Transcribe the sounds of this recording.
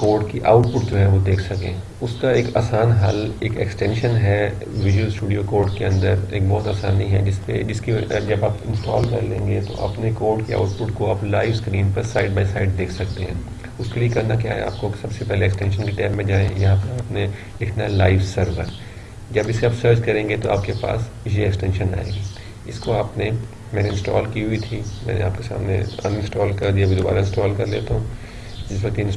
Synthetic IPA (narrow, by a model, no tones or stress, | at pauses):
koːɾɖkiʔa̰ːʊʈ̚pʊʈ̚d͡ʒoːɦɛʋod̪eːkʰsɐkḛ̃ː | ʊskaeːka̰ːsaːnɦɐleːkɛ̰ksʈɛ̃ːnʃənɦɛ | ʋɪd͡ʒuwəlsʈuːɖijokoːɾɖkeɐ̃nd̪əɾeːk̚bɔːt̪aːsaːniɦɛ̰d͡ʒɪspḛd͡ʒɪskid͡ʒɐbaːpɪ̰̃nsʈa̰ːlkɐɾlḛ̃ːŋɡet̪o̰ʔɐ̰pnekoːɾɖkia̰ːʊʈ̚pʊʈkoaːplaːɪʋskɾiːnpɐɾsaːɪɖ̚baːsaːɪɖ̚d̪eːkʰsɐkt̪eɦɛ̰̃ː | ʊskeliekɐnak̬ja̰ːɦɛ̰̃a̰ːpkosɐbsepɛɦleːksʈɛ̃nʃ̬ənkeʈɛːpmẽd͡ʒaːẽjɐɦãpɐɾaːpne | lɪkʰnaɦɛlaːɪʋsɐɾʋəɾ | d͡ʒɐbɪseaːbsɐɾd͡ʒkɐɾẽːŋɡet̪oaːpkepa̰ːs | d͡ʒiɛksʈɛ̃ːnʃənːa̰ːḛ̃ɡiː | ɪskoaːpne | mɛ̃ːneɪ̃nsʈɔ̰ːlkiɦʊit̪ʰimɛ̰̃ːnḛa̰ːp̚kesa̰ːmnḛɐ̰nɪ̃nsʈɔːlkɐɾd̪iabʱid̪oba̰ːɾaɪ̃nsʈɔːlkɐɾlḛːt̪aɦũ | d͡ʒɪsʋɐk̚t̪iɪ̃n